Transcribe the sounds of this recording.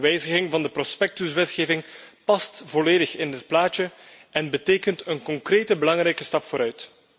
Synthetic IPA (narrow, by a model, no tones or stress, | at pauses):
ʋɛjzəɣɪŋvɑndəprɔspɛk̚tyswɛtxeːvɪŋpɑstv̥ɔleːdəxɪndət̚plaːtəʔɛnbəteːkəntənkɔŋkreːtəbəlɑŋɾɛjkəstɑpfoːɾœɥt